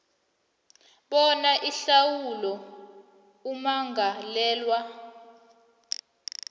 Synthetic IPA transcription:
ɓɔnaʔiɬawulɔ | umaŋɡalɛːlwa

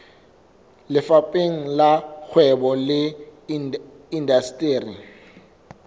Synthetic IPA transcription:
lɪfapʼeŋ̩lak͡xʰwɛbɔlɪ | indastʼeːri

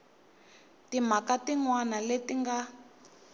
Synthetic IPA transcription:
tim̤akatiŋwanaletiŋɡa

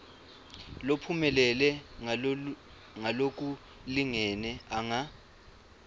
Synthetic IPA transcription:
lopʰumɛlɛlɛ | ŋalok̬ʼu | liŋɛnɛaŋa

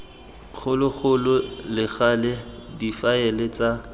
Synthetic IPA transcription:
χʰʊlʊɣʊlʊlɪχalɛdifaɛlɪt͡sʼa

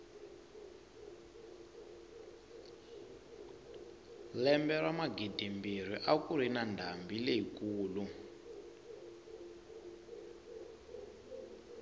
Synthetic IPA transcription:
lɛmbɛɺwamaɡidimbir̤iʔakuɾ̤inandʱambileɦikuːlu

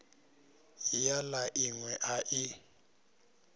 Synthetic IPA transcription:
jalaʔiŋwɛʔaʔɪ

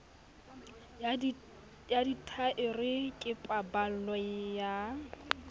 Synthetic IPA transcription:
jaditʰaʔɪrɪkʼɪpʼabal̩lɔja

